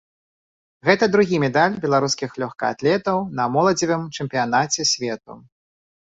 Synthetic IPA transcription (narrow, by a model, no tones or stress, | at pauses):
ɣɛt̪ɐd̪ɾuɣʲimʲɛd̪alʲbʲɛlˠaɾuskʲixlʲɔxkɐa̰t̪lʲɛt̪ɐwnɐmɔlˠɐd͡zʲivɨmt͡ʂɛmpʲijanat͡sʲɛsʲvʲɛt̪ṵ